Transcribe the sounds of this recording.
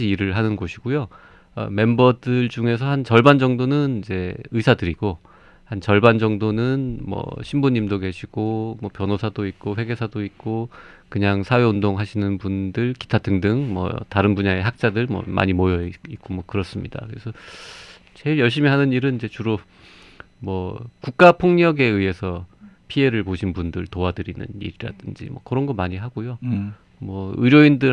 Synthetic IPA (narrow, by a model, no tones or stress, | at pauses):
iiɾɯɭɦanɯnɡoɕʰiɡojo | ʌ̰me̞mbʌdɯɭd͡ʑuŋe̞sʰʌhant͡ɕʌɭband͡ʑʌŋdonɯnid͡ʑe̞ɯsʰadɯɾiɡ̥o | hant͡ɕʌɭband͡ʑʌŋdonɯnmwʌ̰ɕʰimbuɲimdoɡe̞ɕʰiɡ̥omwʌpjʌnosʰadoit̚k͈oɸwe̞ɡe̞sʰadoik͈okɯɲaŋsʰawe̞undoŋɦaɕʰinɯnpundɯɭki̥tʰatʰɯŋdɯŋmwʌ̰taɾɯnbuɲae̞ɦak̚t͡ɕ͈adɯɭmwʌ̰mʔa̰ɲimojʌik͈omwʌkɯɾʌs͈ɯmɲida̰kɯɾe̞sʰʌ | t͡ɕe̞iɭjʌɭɕ̬͈imiɦanɯniɾɯnind͡ʑe̞t͡ɕuɾo | mwʌkuk̚k͈apʰoŋɲʌɡe̞ɯe̞sʰʌpʰie̞ɾɯɭpoɕʰinbundɯɭtoadɯɾinɯ̰nḭɾiɾa̰d̥ɯnd͡ʑḭmwʌ̰kɯɾʌnɡʌmaɲiɦaɡojo | mwʌɯɾjoindɯ